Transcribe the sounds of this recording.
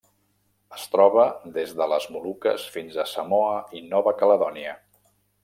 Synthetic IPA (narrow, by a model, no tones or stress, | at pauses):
əst̪ɾɔβəd̪ezðələzmulukə̰sfinzəsəmoəinɔβəkələðɔniə